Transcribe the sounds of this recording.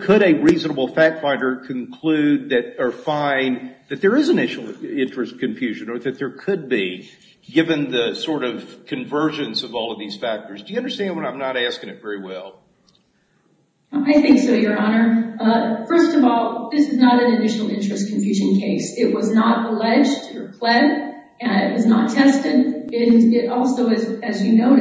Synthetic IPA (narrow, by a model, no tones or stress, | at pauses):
kʰɨɾɨɹiznəbl̩ˠfæk̚tfãɪ̃ndə˞kʰɨ̃nkʰl̥ʉd̪̚ðɨɾə˞fãɪ̃nðɨt̪̚ðə˞ɨzɨnɪʃl̩ˠɪ̃nt͡ʃɹ̥ɨstkʰɨ̃ɱfjʉʒɨ̃nə˞ðɨt̪̚ðə˞kʰɨd̚bi | ɡɪvɨ̃nðɨsɔɹɾʌv̥kʰɨ̃ɱvɜ˞d͡ʒɨ̃nsʌvɔlˠʌvðiz̥fæk̚tə˞zdɨjɨʌ̃ndə˞stæ̃nd̚wə̃nãɪ̃mnəɾæskɪ̃ŋɨtv̥ɛɹiwɛlˠ | aɪθɪ̃ŋksoʊjə˞ʔɑnə˞ | fɜ˞stʌvɔlˠðɪsɨznəɾɨ̃nɨdɪʃn̩l̩ˠɪ̃nt͡ʃɹ̥ɨskʰɱfjʉʒɨ̃nkʰeɪsɪʔ̚wʔʌznəɾəlɛd͡ʒtʰɨɹɨpʰl̥ɛɾ | ɨ̃nɪ̰ʔ̚wʌznətʰɛstɪɾɨ̃nɪɾɔlˠsoʊɨzɨzjɨnoʊ